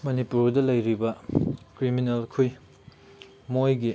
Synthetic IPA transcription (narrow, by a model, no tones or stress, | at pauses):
mɐnipuɾdɐlɐjɾibɐkɾiminelkʰuj | mojɡi